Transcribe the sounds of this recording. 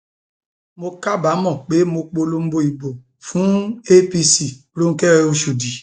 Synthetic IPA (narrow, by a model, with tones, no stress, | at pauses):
mo˧ka˦ba˨˦mɔ̃˦˨k͡pe˨˦mo˧k͡po˧lo˧m̩˦bo˧i˨bo˨ | fũ˨˦e˦pi˧si˨lo˦ŋ̩˦kɛ˦ɛ˧˦o˧ʃu˨di˨